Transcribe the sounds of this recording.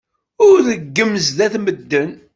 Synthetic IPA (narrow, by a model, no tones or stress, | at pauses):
ʊɾðəɡːəmːəzðæθməd̪ːən